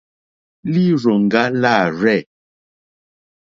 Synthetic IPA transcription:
li˦˨ɾɔ˨ŋ̩˨ɡa˦la˦˨ɹɛ˦˨

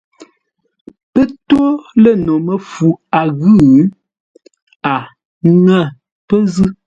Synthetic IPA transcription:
pə˦to˦lə˦˨no˨mə˨fu˨a˨ɣʉ˦˨˦ | a˨ | ŋa˦˨ | pə˦zɨ˦

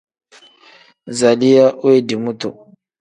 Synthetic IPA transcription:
za˨li˦ja˦ʔwe˦di˨mu˦to˨

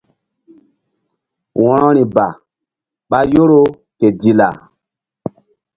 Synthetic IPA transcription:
wɔ̃˨ɾɔ̃˦ɾi˨ba˨ | ɓa˦jo˦ɾo˦ | ke˨di˨la̰˨

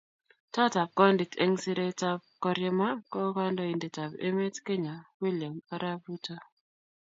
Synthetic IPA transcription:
ta˦ta˨p̚kɔ˦ndi˨tḛ˦ŋsi˦ɾe˦ta˦b̚kɔ˦ɾje˦ma˦kɔ˦ka˦ndɔ˦i˨ndi˨ta˨bḛ˦me˦tke˦ɲa˨wi˦lɪja˨ma˦ɾa˦bu˦ta˦

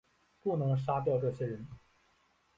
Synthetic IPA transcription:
pu˥˩nɤ˧˥ŋʂ̬a˥t̪jɑ˥˧ʊʈ͡ʂɤ˥˩ɕjɛ˥ɻə˧˥n

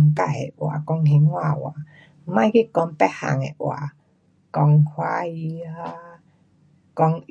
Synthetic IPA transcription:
ŋka˧˨ḛ˨ʔwa̰˨kɔ˧ŋɦe˧˦ŋwa˧˨wa̰˨˧ | mã˧˨˦kʰi˦˧˨kɔ˧mpɛ˦ha̰˨ŋḛ˨ʔw̰a̰˨ | kɔ˧ŋkʰwa˧˦i˧ha˧˦ | kɔ˧ŋ

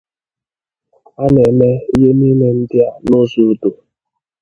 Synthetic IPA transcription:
a˦ne˨me˦i˦je˦ni˦ne˨n̩˦dɪ˦a˦no˦zu˨u˦du˨

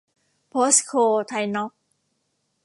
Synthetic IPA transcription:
pʰo˦˥skʰoː˧t̪ʰa˧jnɔ˦˥k̚

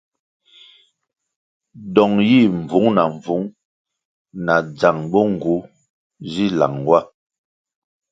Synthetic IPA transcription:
dɔ˨ŋji˦˨ɱ˨vu˨˦ŋna˨ɱ˨vu˨˦ŋ | na˨d͡za˨ŋbɔ˦ŋ˨ɡu˨˦ | zi˦˨la̰˨ŋwa˦˨

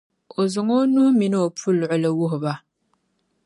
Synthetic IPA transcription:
o˨zʊ˨ŋo˦nʊ˦hʊ˦mi˨nɨ˦o˨pʰu˦lːʊ˨ʔʊ˦la˦wʊ˦ɦʊ˨ba˦

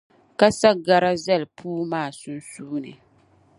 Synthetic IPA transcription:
ka˦sa˦ɡa˦ɾa˦zɛ˦lpʰuː˦maː˦˨su˦n˦suː˦nɨ̰˨

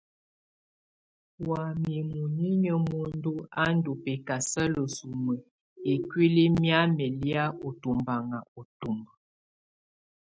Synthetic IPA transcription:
wa˨mi˨mu˨ɲi˦ɲə˦mo˨n˦du˦a˦n̩˦do˨pe˨ka˨sə˦lə˨su˨mə˨ | e˨kwi˦li˦mja˦mɛ˨lja˦o˨tu˨mba˨ŋa˨o˨tu˨m˨

